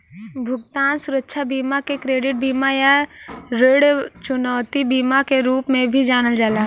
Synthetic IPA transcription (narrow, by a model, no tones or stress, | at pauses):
bʱʊɡt̪aːnsʊɾəkːʃʰabiːmakekɾeːɖɪʈ̚biːmajaɾeɽt͡ʃʊnɔːʊt̪ibiːmakeɾuːpmẽbʱid͡ʒaːɽ̃əld͡ʒaːla